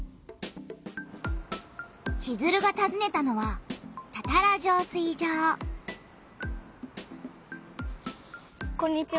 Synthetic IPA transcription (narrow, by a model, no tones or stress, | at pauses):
kizɨɾɯ̟ɡat̪azɨne̞t̪ano̞βat̪at̪aɾaʑoːsɨid͡ʑaː | kõɲ̟ːit͡ɕi